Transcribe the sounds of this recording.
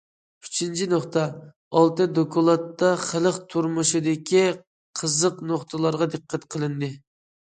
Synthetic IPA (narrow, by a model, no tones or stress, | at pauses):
y̥t͡ʃʰint͡ʃʰinoχt̪ɑ | ɑlˠt̪ɨd̪okʰɑlˠɑt̪ːɑχələqt̪ʰuɾmuʃud̪ɪkʲʰi | qʰəzəqnoχt̪ʰɨlˠɑɾʁɑd̪ɨqʰːæt̪qʰəlˠɨnd̪ɨ